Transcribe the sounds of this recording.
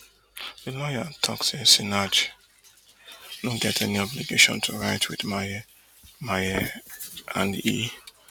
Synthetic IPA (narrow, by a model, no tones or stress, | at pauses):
ð̥ɨlɔjatʰɔ̰ksesinad͡ʒ | noɡɛtʰɛniɔbliɡeʃɔ̰̃ntʰuɹaɪtʰwiðma | majɛ | ʔã̰nḭ